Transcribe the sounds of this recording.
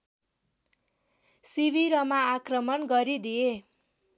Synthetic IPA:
sibʱiɾʌmaːkrʌmʌnɡʌɾid̪ije

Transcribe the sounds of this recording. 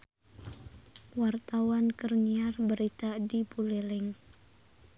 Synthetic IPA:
wart̪awankərɲiarbəɾit̪adibulelɪŋ

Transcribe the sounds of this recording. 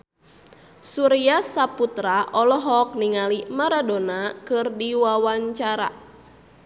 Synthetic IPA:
suɾiasaput̪ɾaʔɔlɔɦɔk̚niŋalimaɾadonakɨrdiwawaɲt͡ʃaɾa̰

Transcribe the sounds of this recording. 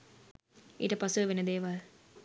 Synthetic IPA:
iʈɐpɐsuʋenɐd̪eːʋaːl

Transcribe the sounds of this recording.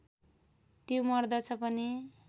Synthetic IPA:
t̪jomʌrd̪ʌt͡sʰʌpʌni

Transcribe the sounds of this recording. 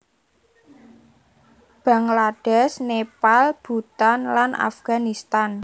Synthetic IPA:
b̥a̤ŋlad̥ɛsnepalb̥ṳt̪anlanʔa̰fɡ̥a̤nist̪an

